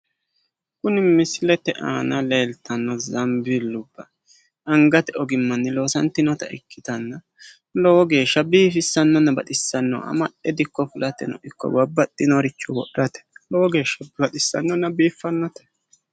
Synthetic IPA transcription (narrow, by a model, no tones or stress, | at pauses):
kʊnɪmɪslɛt̪ːɛʔa̰ːnɐle̞ːlt̪ɐnːɔzɐmbɪlːʊb̥ːɐ | ɐŋɡɐt̪ɛɔɡɪmːɐnːɪlo̞ːsɐnt̪ɪnɔt̪ɐ̰ɪ̰kʰːɪt̪ɐnːɐ | lɔwɔɡe̞ːʃːɐbiːfɪsːɐnːɔnːɐbɐt̪ɪsːɐnːɔ̰ɐ̰mɐɗɛd̪ɪkːɔfʊlɐt̪ɛ̰nɔ̰ʔɪkːɔ̰wɐbːɐt̪ːɪnɔɾɪt͡ʃːɔwɔ̰ʔɾɐt̪ɛ̥lɔwɔɡe̞ːʃːɐbɐt̪ɪsːɐnːɔnːɐbiːfːɐnːɔt̪ɐ̥